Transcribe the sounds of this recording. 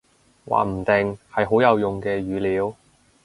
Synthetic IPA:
wa̰ː˨m̩˨˩t̪ɪ˨ŋhɐ˨jɦo˨˥wjɐ˨˧wjʊ˨ŋkɛː˧ɥyː˨˧liː˨˥w

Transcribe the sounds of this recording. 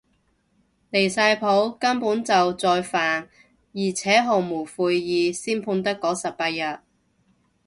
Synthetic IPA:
le˨˩jsaː˧jpʰo˨˥wkɐ˥mpuː˨˥nt͡sɐ˨wt͡sɔː˧jfaː˨n | jiː˨˩t͡sʰɛː˨˥ɦo˨˩ŋmuː˨˩fuː˨˧jːiː˨˧siː˥npʰuː˧nt̪ɐ˥kːɔː˨˥sɐ˨˩p̚paː˧t̚jɐ˨t̚

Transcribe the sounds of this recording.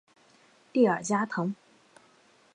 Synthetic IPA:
t̪i˥˩ə̰˞˨˩t͡ɕja˥t̪ʰɤ˧˥ŋ

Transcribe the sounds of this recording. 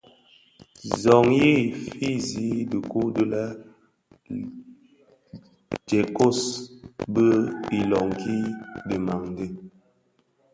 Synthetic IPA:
zɔ˨ŋji˦˨fi˦zi˨˦di˨ku˦də˦la˦ | d͡ʒɛ˨ko˦sbə˦i˨lɔ˨ŋkʰi˦di˨ma˨ŋn˦di˦

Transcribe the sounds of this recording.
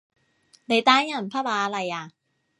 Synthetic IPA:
da˧˩jt̪aː˥ja˧˩npʰaː˦˥˩baː˧˦a˧la˧ja˨˩

